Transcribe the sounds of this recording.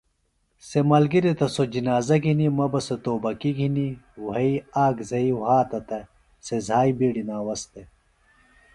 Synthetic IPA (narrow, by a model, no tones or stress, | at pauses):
semɐlɡiɾet̪ɐsod͡ʑinaːzɐɡʱinimɐbɐset̪oːbɐkiɡʱiniwɐiaːɡzɐiwɦaːt̪ɐt̪ɐ | sezʱaːjbiːɽinaːwɐst̪e